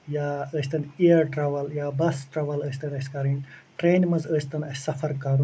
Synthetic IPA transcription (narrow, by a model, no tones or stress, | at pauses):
jaːəst̪ɐnijɐɾʈɾɐʋɐljaːbɐsʈɾɐʋɐləːsʰʲt̪ɐnɐsʲkaːɾinʈɾeːnmɐzəst̪ɐnɐssɐfɐɾkaːɾu